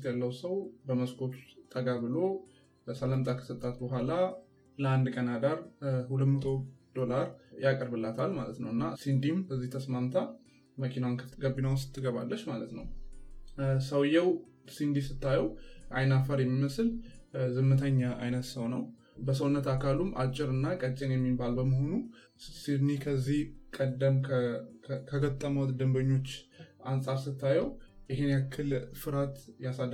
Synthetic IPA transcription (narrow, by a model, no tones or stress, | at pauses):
t̪jalːəwsəwbəməskʰo̞t̪ut̪ʼəɡabɨlo̞ | əsələmt̪ʼakʰə̥sɨt̪ʼːat̪bəɦʷala | ləand̪kʼənad̪aɾhulət̪mət̪ʰod̪̥o̞laɾjakʼəɾbɨlːat̪ʰalmalət̪nəwɨnːa̰sind̪imbəzːiht̪ʰəsmamt̪ʰa | məkʰinawɡəbːinawʊst̪ʰːɨɡəβa̰lːəʃmalət̪nəw | səwjɛw | sind̪isɨt̪ːajɛwʔajnafəɾjɛmːiməsɨlzɨmːɨt̪ʰəɲːaʔajnət̪səwnəw | bəs̬əwnːət̪akʰalumʔa̰t͡ʃʼːɪɾɨnːakʼət͡ʃʼːenjɛmːibalbəməho̞nu | sid̪nihkʰəzːihkʼəd̪ːəmkʰ | kʰəɡət̪ʼːəməwt̪d̪ɨmbəɲːo̞t͡ʃːansʼaɾsɨt̪ːajɛwʔɪɦenjakʰːɨlfɨɾat̪jasad̪ː